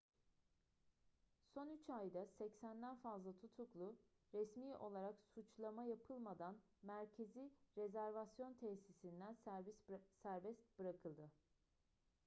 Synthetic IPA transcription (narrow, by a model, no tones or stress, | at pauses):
so̞nyt͡ʃajd̪asɛcsænd̪ænfazlˠat̪ʰut̪ʰuklˠu | ɾɛsmiːʔo̞lˠaɾaksut͡ʃlˠamajapʰɯlˠmad̪an | mæɾcʰe̞ziɾezæɾvasjo̞nt̪ʰɛsisind̪ænssæɾbɛst̪bɯɾakʰɯlˠd̪ɯ